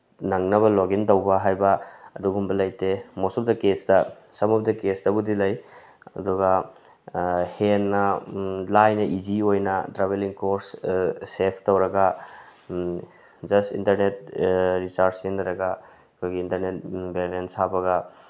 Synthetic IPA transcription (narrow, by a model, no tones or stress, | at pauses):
nɐŋnɐβɐloɡintɐwbɐɦajbɐːduɡumbɐlɐjtemɔsɔp̚dɐkesdɐ | sɐmɐp̚dɐkesdɐbudilɐj | ɐ̰duɡɐ | henːɐlajnɐʔid͡ʒiojnɐdɾaβeliŋkoɾsː | epʰtowɾɐɡɐ | d͡ʒɐstintɐɾnet̚ɾit͡ʃaɾeŋdɐɾɐɡɐ | kʰojɡiːntɐɾnet̚belensabɐɡɐ